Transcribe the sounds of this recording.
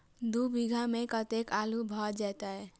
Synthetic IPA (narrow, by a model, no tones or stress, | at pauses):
d̪ubʱiɡʱamekət̪ekalubʱɔd͡ʒat̪aɛ